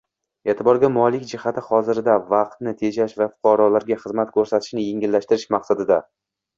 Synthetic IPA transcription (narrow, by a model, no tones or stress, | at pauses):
eːt̪ʰɪbɒɾɡʲamɒlɪkʲd͡ʒɪhat̪ʰɪχɒzɪɾd̪avɑq̚t̪̚nɪt̪ʰe̞d͡ʒaʃvafʊ̥qʰɑɾɒlaɾɡʲaχɨzmat̪kʰɵɾsat̪ʰɪ̥ʃnɪjeŋʲɪlːaʃt̪ɪɾɪʃmaqsad̪ɪd̪a